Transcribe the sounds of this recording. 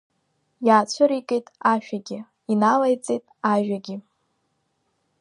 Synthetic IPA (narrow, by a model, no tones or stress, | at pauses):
jaːt͡ɕʷʰʊɾikʼejtʼaʃᶣaɡʲɪ | inalajt͡sʼejtʼaʒᶣaɡʲɪ